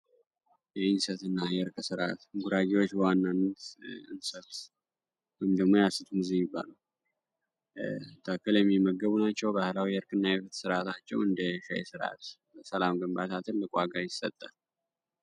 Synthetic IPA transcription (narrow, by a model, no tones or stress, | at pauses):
jɛɨnsət̪ɨnːajɛɨɾkʼɨsɨɾat̪ɡuɾaɡiwo̞t͡ʃːbəwanːanːət̪ɨ̰nsət̪ | wɔjɪmd̪əɡmo̞jasɨt̪ʰumɨzijɪbːa̰ləw | t̪ʰəkːɨljɛmːimːəɡːəβunat͡ʃːɛwbahɨlawijɨɾkʼɨnːajɛfɨt̪sɨɾat̪ʰat͡ʃːɛwɨnd̪əʃɛ̰jɛ̰sɨɾa̰t̪bəsəlamɡəmbat̪ʰat̪ʰɨlːɨkʼwaɡajɪsə̰t̪ʼːə